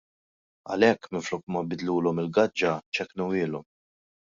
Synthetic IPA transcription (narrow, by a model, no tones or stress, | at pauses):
ɐ̰lɛkːmɪɱflɔkmɐbɪd̪luːlɔmɪlɡɐd͡ʒːɐt͡ʃɛknuwɪːlɔm